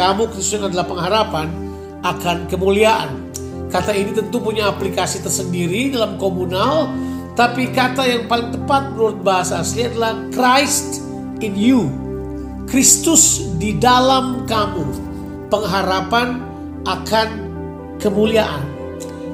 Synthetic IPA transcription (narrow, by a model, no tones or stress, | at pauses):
amukɾist̪unadalahpəŋɦaɾapan | ʔakankəmuliaʔa̰n | kat̪ainit̪ənt̪upuɲaːplikasit̪ərsəndiɾidalamkomunal | t̪apikat̪ajaŋpalɪŋt̪əpat̪̚bənuɾʊt̪̚baɦasaːsliadalahkrajst̪ | ɪnju | kɾist̪ʊsdidalamkamu | pəŋɦaɾapan | ʔakan | kəmuliaʔan